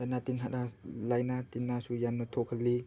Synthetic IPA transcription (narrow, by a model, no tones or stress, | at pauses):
anat̪inɦaɗalajnat̪inasujannot̪ʰokʰali